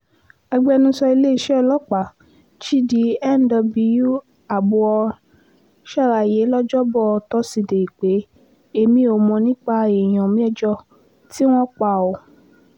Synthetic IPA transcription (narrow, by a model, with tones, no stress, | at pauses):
a˧ɡ͡bɛ˧nũ˦sɔ˧i˧le˦i˦˧ʃɛ˦˧lɔ˦k͡pa˨ | t͡ʃi˦di˨˦ɛ˦˨n˨dɔ˧bi˧ju˦ | a˨bu˧ɔ˧ | ʃa˦˨ɾa˧˨je˨˦lɔ˦d͡ʒɔ˦bɔ˦˨˧tɔ˦si˧˨de˨i˨k͡pe˨˦ | e˧mĩ˧˦o˧mɔ̃˧nĩ˦k͡pa˧e˨j̃ɔ̃˨mĩ˦ɛ˦d͡ʒɔ˧ | ti˦w̃ɔ̃˦k͡pa˧˨ɔ˨